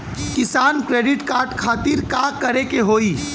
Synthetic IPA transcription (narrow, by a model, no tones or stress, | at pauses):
kɪsaːnkɾeːɖɪʈkaːɾɖkʰaːt̪ɪɾkaːkɐɾekeɦoːiː